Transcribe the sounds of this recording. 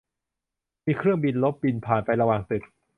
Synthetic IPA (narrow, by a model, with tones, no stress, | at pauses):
miː˧kʰɾɯ˥˩əŋbi˧nlo˦˥p̚bi˧npʰaː˨˩npa˧jɾa˧waː˨˩ŋsɯ˨˩t̪̚